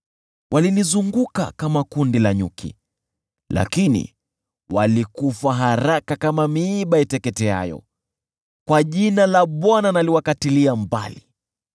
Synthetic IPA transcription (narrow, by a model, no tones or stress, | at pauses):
wʔalinizuŋɡuka̰kamakundilaɲṵkʰḭ | la̰kinḭ | walikufaɦaɾakakamamiːɓaitɛkɛtɛa̰jɔ̰ | kwaʄinalaɓwananaliwakatiliamba̰li